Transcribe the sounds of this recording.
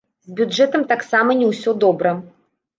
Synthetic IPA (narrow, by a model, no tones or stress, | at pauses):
zʲbʲud͡ʐɛt̪ɐmt̪aksamɐnʲɛwsʲɔd̪ɔbɾɐ